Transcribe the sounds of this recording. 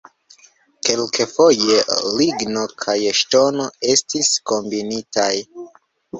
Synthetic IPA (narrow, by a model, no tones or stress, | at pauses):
ke̞lkʰefo̞je̞liɡno̞kʰajʃto̞no̞e̞stisko̞mbinitʰaj